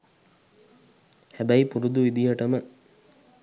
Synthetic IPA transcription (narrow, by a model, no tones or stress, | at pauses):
hæbæjipuɾud̪uʋid̪iɦəʈəmə